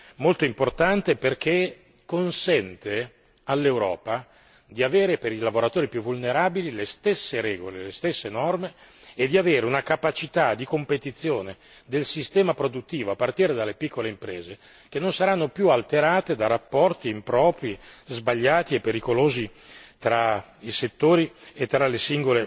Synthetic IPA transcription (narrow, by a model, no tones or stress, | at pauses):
molt̪oimport̪ant̪eperk̟e | kːonsɛnt̪e | alːewɾɔ̰ːpa | d̪iaveːɾepeɾilavoɾat̪oːɾipjuvulneɾaːbililest̪esːeɾɛːɡolelest̪esːenɔrmeːd̪ːiaveːɾeunakapat͡ʃit̪ad̪ikompet̪it̪sːjoːne | d̪elsist̪ɛːmapɾod̪ut̪ːiːvoapːart̪iːɾed̪alːepikʰːoleimpɾɛːze | k̟enːonsaɾanːopjualt̪eɾaːt̪ed̪arapːɔrt̪iːmpɾɔːpɾizbaʎːaːt̪iepːeɾikoloːzit̪ɾa | iset̪ːoːɾiet̪ːɾalesiŋɡole